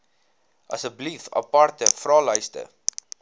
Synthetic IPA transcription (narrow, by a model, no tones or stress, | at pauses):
ʔɐ̰səblifɐ̰pɐrtəfrɑːlœjstə̰